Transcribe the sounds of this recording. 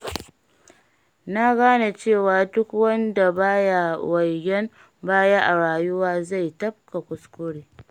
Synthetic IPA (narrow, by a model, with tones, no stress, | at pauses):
na˦ɡaː˦na˨t͡ʃeː˦˨waː˨dʊ˦kwɐ˦nda˨baː˦ja˨wɐ˨jɡɛ˦m | baː˦jaː˦ʔa˨ɽaː˨jʊ˦waː˦za˦˨jtɐ˦b̚ka˨kʷʊ˨skʷʊ˦ɽeː˨